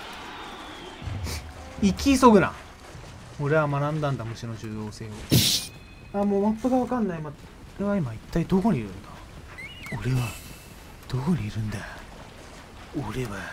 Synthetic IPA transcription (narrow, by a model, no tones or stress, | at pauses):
ikʲisoɡɯ̟na̰ | o̞ɾe̞βamanãnd̪ãnd̪amɯ̟ɕino̞d͡ʑɨːjo̞ːse̞ːo | amoːmapːɯɡaβakãnːaima | oɾe̞βaimait̪ːaid̪oko̞ɲ̟iiɾɯ̟nd̪a | oɾe̞βa | d̪̥o̞ko̞ɲ̟iːɾɯ̟̃nd̪a | oɾe̞βa